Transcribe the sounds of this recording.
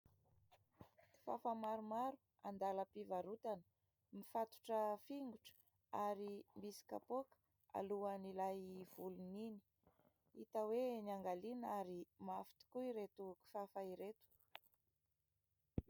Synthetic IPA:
i̥fa̰famaɾumaɾu̥ | and̪aləpivaɾut̪anə | mifat̪u̥ʈ͡ʂəfiŋɡuʈ͡ʂə̥ | aɾimbisi̥ka̰pokə̥ | a̰luanilajv̥ulunini̥ | it̪awenaŋɡalinaɾimafi̥t̪i̥kuiɾet̪uki̥fafaiɾet̪u̥

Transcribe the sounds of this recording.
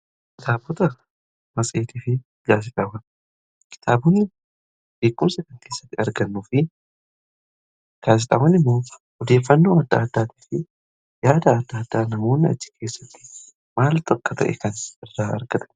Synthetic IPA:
kkɪt̪aːbɔt̪ɐ | mɐsʼeːt̪iːfɪ | ɡaːs̬ɪt̪ʼɐwɐn | kɪ̥t̪ʰaːbʊnːɪ | b̥e̞ːkːʊmsɐkɐŋke̞ːsːɐ̥t̪ːɪɐɾɡɐnːuːfɪ | ɡ̥aːs̬ɪt̪ʼɐwɐnɪmːoːhɔd̪e̞ːfːɐnːo̞ːɐd̪ːa̰ːd̪ːaːt̪i̥ːfɪ | jaːd̪ɐːd̪ːaːd̪ːaːnɐmo̞ːnːɪɐ̰d͡ʒːɪ̥kʰe̞ːsːɐ̥t̪ːɪ̥ | maːlt̪ɐkːɐt̪ʰɐ̰ʔɛ̰kɐnɪrːaːʔɐ̰ɾɡɐt̪ɐ̥

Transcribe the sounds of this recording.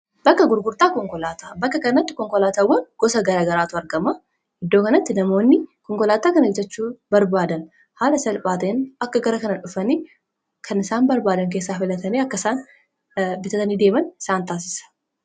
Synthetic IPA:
bɐkːɐɡʊɾɡʊɾt̪ʼaːkɔŋkɔlaːt̪aːbɐkːɐkɐnɐt̪ːɪ̥kɔŋkɔlaːt̪aːwːɐnɡ̥ɔsɐɡɐɾaːɡɐɾaːt̪ʊɐɾɡɐma | ɪd̪ːoːkɐnɐt̪ːɪnɐmo̞ːnːɪkɔŋkɔlaːt̪aːkɐnɪd͡ʒɐt͡ʃːuːbɐɾbaːd̪ɐn | haːlɐsɐlpʼaːt̪ɐnɐkːɐɡɐɾɐkɐnɐᶑʊfɐniː | kʰɐnɪsaːnbɐɾbaːd̪ɐŋk̬eːsːaːfɪlɐt̪ɐneːɐkːɐɪsaːn | bɪt̪ɐt̪ɐniːd̪e̞ːmɐnɪsaːnt̪aːs̬ɪ̥sɐ̥

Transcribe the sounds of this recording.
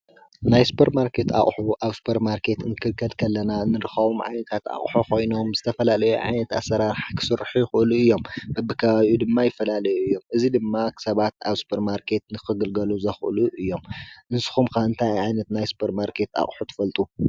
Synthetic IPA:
najsu̥pʰɐɾmaɾkʰe̞t̪a̰χʼħuʔaβsu̥pʰɐɾmaɾkʰe̞t̪ɨnɨkʰɨlkʰːɐd̪kʰɐlːɐnanɨɾɨxɐβomʕa̰jnɐt̪ʰat̪a̰χʼħukʰo̞jno̞mzɨt̪ʰɐfɐlalɐjṵʕa̰jnɐt̪a̰sːɐɾaɾħakʰɨ̥sɨɾħujɪxɨʔɨluɨjːo̞mbɐbːɨkʰɐβaβjud̪ɨmːajɪfːɐlalɐjuɨjːo̞mʔɨzid̪ɨmːakʰsɐβat̪a̰βsu̥pʰɐɾmaɾkʰe̞t̪nɨxɨɡɨlɡɐluzɐxʔɨ̰luʔɨjːo̞mʔɨnsɨ̥xumkʰaɨnt̪ʰajʕajnɐt̪najsu̥pʰɐɾmaɾkʰe̞t̪a̰χʼħut̪ʰɐ̥fɐlt̪ʼu

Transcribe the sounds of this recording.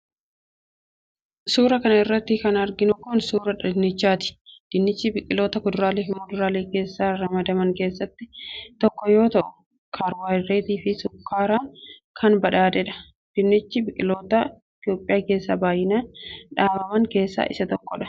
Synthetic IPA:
suːɾɐkɐnɐɪrːɐt̪ːɪkɐnɐɾɡɪnʊkoːnsuːɾɐᶑɪnːɪt͡ʃːaːt̪ɪ̥d̪̥ɪnːɪt͡ʃːɪbɪkʼɪlo̞ːt̪ɐkʊd̪ʊɾaːleːfɪmɔd̪ʊɾaːleːke̞ːsːaːɾɐmɐd̪ɐmɐŋke̞ːsːɐt̪ːɪt̪ɔkːɔjo̞ːt̪ɐʔʊ̥ | kʰaːɾwaːjreːt̪iːfɪsʊkʰːaːɾaːkʰɐnbɐᶑaːd̪ɛᶑɐ̥ | d̪̥ɪnːɪt͡ʃːɪbɪkʼɪlo̞ːt̪ɐɪt̪ɪjo̞ːpʼːɪjaːke̞ːsːɐbaːjɪnaːᶑaːbɐmɐŋke̞ːsːa̰ːʔɪ̰sɐt̪ɔkːɔᶑɐ̥

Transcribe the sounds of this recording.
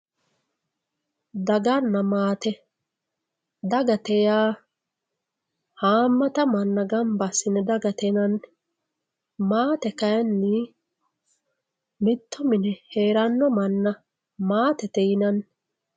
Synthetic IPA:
d̪ɐɡɐnːɐmaːt̪ɛ | d̪ɐɡɐt̪ɛjaː | haːmːɐt̪ɐmɐnːɐɡɐmbɐsɪnɛd̪ɐɡɐt̪ɛnɐn | maːt̪ɛkɐjɐnːɪ | mɪt̪ʰːɔmɪnɛheːɾɐnːɔmɐnːɐ | maːt̪ɛt̪ɛjɪnɐn

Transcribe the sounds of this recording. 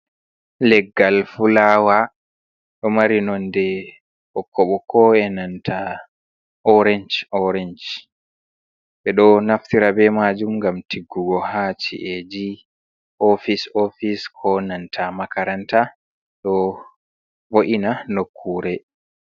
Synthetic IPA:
lɛɡːalfulaːwa | ɗɔmaɾinɔndɛ | hɔkʰːɔɓɔkʰɔɛnantʰa | ʔɔɾɛnd͡ʒɔɾɛnd͡ʒ | ɓɛɗɔnaftiɾabɛmad͡ʒumŋɡamtiɡːuɡɔhat͡ʃḭʔed͡ʒi | ʔɔfisofiskʰɔnantʰamakaɾanta | ɗɔ | boʔinanokʰːuːɾɛ

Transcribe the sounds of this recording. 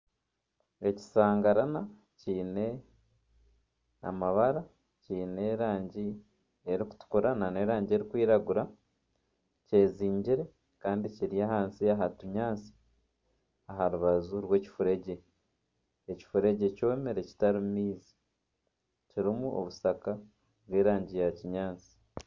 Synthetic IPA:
e̞ci̥saːŋɡaɾana | ciːne̞ | a̰maβaɾa | ciːne̞ɾaːɲɟi | eɾiku̥tu̥kuɾanane̞ːɾaːɲɟe̞ɾikwiːɾaɡuɾa | ce̞ːziːɲɟiɾe̞ | kaːndiciɾijaɦaːnsiaɦatuɲaːnt͡si̥ | aɦaɾuβazuɾwe̞ːci̥fuɾe̞ɟe̞ | eci̥fuɾe̞ɟe̞coemeɾe̞ci̥taɾimiːzi̥ | ciɾimuo̰βusaka | βweːɾaːɲɟijaciɲaːnsi̥

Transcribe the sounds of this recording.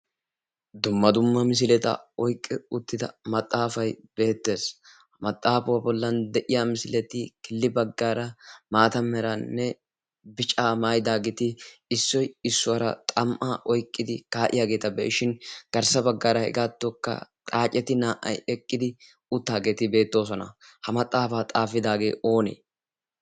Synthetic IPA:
d̪ʊmːɐd̪ʊmːɐmɪs̬ɪlɛt̪ɐ̰ɔjkʼːɛʊt̪ːɪd̪ɐmɐt̪ʼːaːfɐjb̥e̞ːt̪ːe̞ːs | mɐt̪ʼːaːfʊwɐbɔlːɐnd̪ɛʔɪjamɪsɪlɛt̪ɪkɪlːɪbɐɡːaːɾɐmaːt̪ɐmɛɾɐnːɛ | bɪt͡ʃʼaːmaːjd̪aːɡɪt̪ɪɪsːɔjɪsːʊwɐɾɐ̰t̪ʼɐmʔaːʔɔjkʼːɪd̪ɪkaːʔɪ̰jaːɡe̞ːt̪ɐbɛ̰ʔɪʃɪnɡ̥ɐɾsɐbɐɡːaːɾɐhɛ̰ɡaːt̪ːɔkːɐ̰t̪ʼaːt͡ʃʼɛt̪ɪnaːʔɐ̰jɛkʼːɪd̪ɪ | ʊt̪ːaːɡe̞ːt̪ɪbe̞ːt̪ːo̞ːs̬ɔnɐ̰hɐmɐt̪ʼːaːfaːt̪ʼaːfɪd̪aːɡe̞̰ːo̞ːnḛː

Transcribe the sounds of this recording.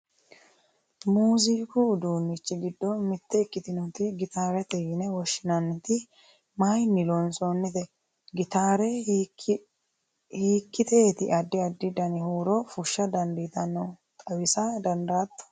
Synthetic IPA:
muːziːkʊd̪uːnːɪt͡ʃːɪɡɪd̪ːɔmɪt̪ːɛɪkːɪt̪ɪnɔt̪ɪɡɪt̪aːɾɐt̪ɛjɪnɛwɔʃːɪnɐnːɛt̪ɪ | majnːɪlonsonːɪt̪ɛ | ɡɪt̪aːɾɛ | hiːkːɪt̪ʰeːt̪ɪʔɐd̪ːɪɐd̪ːɪd̪ɐnɪhuːɾɔfʊʃːɐd̪ɐnd̪it̪ɐnːɔt̪ʼɐwɪsɐd̪ɐnd̪aːt̪ːɐ̥

